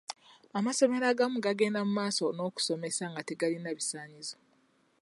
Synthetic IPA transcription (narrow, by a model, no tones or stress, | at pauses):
amaso̞me̞ɾaːɡamuɡaɡe̞ːndamumaːso̞no̞ːku̥so̞me̞saŋɡate̞ɡalinaβisaːɲizo